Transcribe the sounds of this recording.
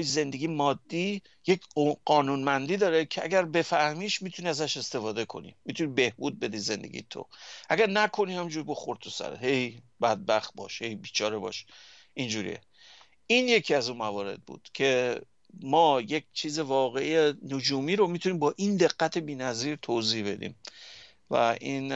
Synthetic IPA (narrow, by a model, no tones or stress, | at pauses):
jze̞nd̪eɡijemɒːd̪ːiː | jecʰɢɒːnuːnmænd̪iːd̪ɒːɾe̞cʰeæ̰ɡæɾbe̞fæhmiːʃmit̪ʰuniæzæʃe̞st̪e̞fɒːd̪e̞kʰo̞̰nḭmit̪ʰunibe̞hbuːd̪̚be̞d̪ize̞nd̪e̞̰ɡḭjet̪ʰo̰ʔæɡæɾnækʰo̞nihæmĩːnd͡ʒuɾiboxoɾt̪ʰosæ̰ɾḛɦejbæd̪̚bæχt̪̚bɒ̰ːʃhe̞jbiːt͡ʃʰɒːɾe̞bɒ̰ʃ | ʔind͡ʒuːɾḭjḛ | iːnje̞cʰiːæzunmævɒːɾe̞̰d̪̚bṵːd̪̥cʰe̞ | mɒːjec̚t͡ʃʰiːze̞vɒːɣe̞ʔijenod͡ʒuːmiːɾomit̪ʰuniːmbɒːʔind̪e̞ɣːæt̪ʰe̞biːnæziːɾt̪ʰozihbe̞d̪ḭːm | væ̰ʔiːn